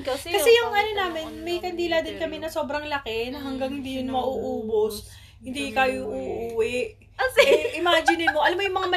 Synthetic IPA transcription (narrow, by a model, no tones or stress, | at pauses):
kokːɐɛjʊŋʔɐnonaːmɪnmɐjkɐnd̪iːlad̪ɪnkɐmɛnɐso̞ːbɾɐŋlɐkɛnɐɦɐŋɡɐŋhɪnd̪iːjʊnmɐʔuʔuːbos | hɪnd̪ikaːjoʔuːʔuːwɛʔ | ɛʔɪmaːd͡ʒɪnɪnmoʔɐlamːojʊŋmɐŋamɐ